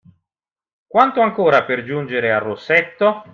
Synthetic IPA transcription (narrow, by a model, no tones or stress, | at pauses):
kwant̪oaŋkoːɾaperd͡ʒund͡ʒeɾearːosːɛt̪ːo